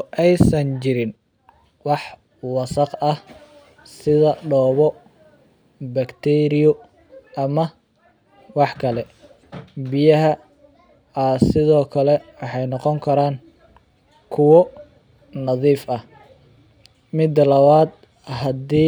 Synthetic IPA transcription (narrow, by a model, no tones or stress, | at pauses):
ʔɛjsɐnt͡ʃɪɾɪn | wɑħ | wɑsɐqɐh | sɪðɐɖɔːβɔ | bɐkt̪ʰɛɾɪjɔ | ʔɐmɐ | wɑħkʰɐlɛ | bijɐɦɐ | asɪðɔːkʰɐlɛwɑħɑjnɔqɔŋkʰɐɾaːŋ | kʰʊwɔ | nɐðiːfɐh | mɪd̪ɐlɐβaːd̪ | ɦɐd̪iː